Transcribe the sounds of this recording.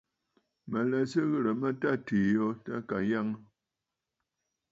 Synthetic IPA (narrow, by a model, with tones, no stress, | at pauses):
mə˨lɛ˨sə˦ɣə˦ɾə˨mə˦ta˦˨ti˨jo˦ta˦ka˨ja˦ŋ˦